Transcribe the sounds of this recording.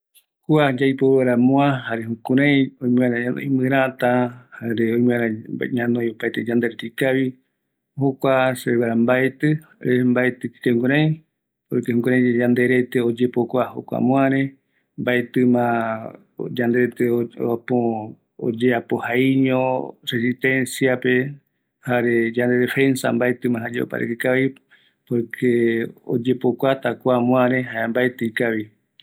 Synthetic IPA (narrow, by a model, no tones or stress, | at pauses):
kuad͡ʒajpoweɾamõãhaɾeɦũkũɾãj̃õj̃mɨ̃aɾã̰ĩmɨ̃ɾãt̪ahaɾeoĩmɨ̃aɾãɲãnõjopaet̪ed͡ʒand̪eɾet̪ikaβi | hokʷaseeβaɾambaet̪ɨɾembaet̪ɨkkeŋɡuɾãj̃ | oɾit̪ehũkũɾãj̃d͡ʒed͡ʒand̪e̞ɾe̞t̪eod͡ʒepokʷaho̰kʷa̰mõaɾẽ | mbaet̪ɨmã | d͡ʒand̪e̞ɾet̪eapo | o̰d͡ʒeapohaiɲõresit̪ẽ̞nsiape̞ | haɾe̞d͡ʒand̪e̞defe̞nsa̰mbaet̪ɨmãɦad͡ʒeo̰pa̰ɾḛkɨkaβi | poɾkʰeo̰d͡ʒe̞pokʷat̪akʷamw̃ãɾẽɦaembaet̪ɨikaβi